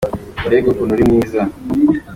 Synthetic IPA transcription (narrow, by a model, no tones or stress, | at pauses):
uɾeːɡokunuɾimŋiːza